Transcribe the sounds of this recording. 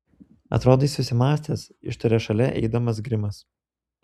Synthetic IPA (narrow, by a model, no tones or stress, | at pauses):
ɐ̰t̪ɾoːd̪oiːsʊsʲɪmɑːsʲt̪ʲeːsɪ̰ʃt̪ɐɾʲɛʃɐlʲɛʔɛ̰ɪd̪ɐmɐsɡɾʲɪmɐs